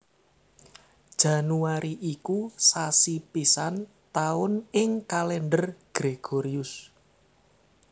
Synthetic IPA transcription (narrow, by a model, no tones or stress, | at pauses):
d̥ʒ̥a̤nuaɾiʔikusasipisan | t̪aʊnɪŋkalɛɳɖərɡ̥ɾeɡ̥oɾiʊs